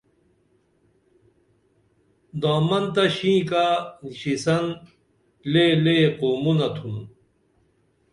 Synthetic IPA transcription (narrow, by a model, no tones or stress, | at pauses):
d̪aːmɐnt̪ɐɕĩːkaɕisɐn | leːleqoːmunɐt̪ʰun